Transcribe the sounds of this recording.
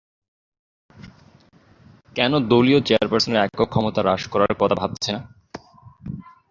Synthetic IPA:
kɛnod̪oliot͡ɕeaɾpaɾsoneɾɛkokʰɔmot̪aɾaʃkɔɾaɾkɔt̪ʰabʱab̚t͡ɕʰena

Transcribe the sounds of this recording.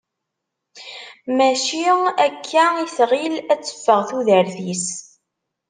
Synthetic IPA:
mæʃiækʰːæisʁilæt͡sːə̥fːəʁθuðəɾθis

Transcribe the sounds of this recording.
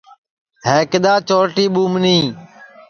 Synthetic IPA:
ɦeːkɪɗ̪aːt͡ʃoːʈiːɓuːmnĩː

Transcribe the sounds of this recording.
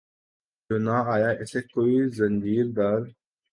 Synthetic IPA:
d͡ʒoːnaaːjaːʔɪseːkoːizənd͡ʒiːɾd̪aːɾ

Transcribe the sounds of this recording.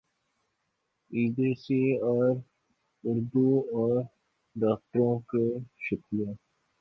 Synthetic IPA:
iːd̪eseɔːɾ | ʊɾd̪uɔːɾ | ɖaːk̚ʈəɾõkeʃəkijaː

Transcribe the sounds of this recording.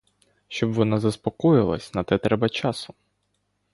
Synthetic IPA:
ʃt͡ʃɔbʋɔnɑzɐspɔkɔjɪlˠɐ̰sʲnɐt̪ɛt̪ɾɛbɐt͡ʃɑsʊ

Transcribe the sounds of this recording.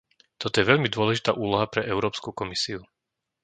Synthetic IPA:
t̪ɔt̪ɔjɛʋɛʎmid̪ʊɔlɛʒit̪aːʔuːlɔɦapɾɛʔɛʊɾɔːpskukɔmisiu

